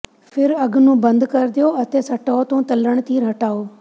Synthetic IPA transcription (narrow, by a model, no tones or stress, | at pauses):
fʰɪɾɐɡnũːbɐ̃nd̪kɐɾd̪ijoɐt̪esɐʈaot̪ũːt̪ɐləɽ̃t̪ʰiɾɐʈaːoː